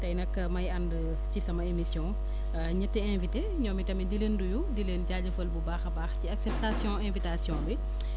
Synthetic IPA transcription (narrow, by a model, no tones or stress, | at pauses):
tɐjnɐkːmɐjɐndə | cisɐmɐemisjɔ̃ː | ɲətːɛɛ̃nvite | ɲɔːmitɐmidilendujudileːnɟaːɟɐfəlbubaxɐbaːxciaksɛp̚tasjɔ̃ːɛ̃ːvitasjɔ̃ːbi